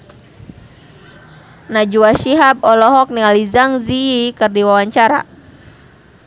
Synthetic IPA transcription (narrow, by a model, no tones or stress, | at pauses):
nad͡ʒuwaʃiɦab̚ɔlɔɦɔk̚nializaŋziikɨrdiwawaɲt͡ʃaɾa̰